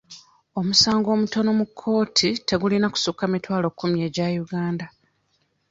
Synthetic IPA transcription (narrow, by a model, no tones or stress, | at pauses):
o̞musaːŋɡo̞ːmuto̞no̞mukʰːo̞ːtʰite̞ɡulinaku̥sukːamitwaːlo̞kʰːumje̞ːɟajuɡaːnda